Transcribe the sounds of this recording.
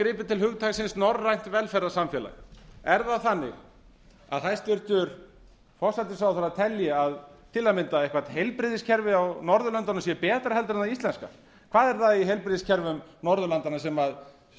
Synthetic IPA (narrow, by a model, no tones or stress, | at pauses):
kɾɪːpɪ̥t̪ʰɪlhʏɣt̪ʰaɣsɪnsnɔrːajn̥t̪vɛlfɛɾasamfjɛla̰ɣɛɾðaðθanːɪ̰ɣ | a̰ðɦajst̪ɪɾ̥t̪ʏɾ̥ | fɔr̥sajt̪ɪ̥sawθaɾaðt̪ʰɛljɛaðt̪ʰɪlːamɪnt̪aejhkvaɾ̥t̪hejlpɾɪðɪscʰɛɾvɪawnɔɾðʏlœnt̪anʏmsjɛpɛːt̪ɾahɛlt̪ɾɪnaist̪lɛnska̰ | kʰv̥aːðɛɾθaðiɦejlpɾɪðɪscʰɛɾvʏmnɔɾðʏlant̪anasɛmað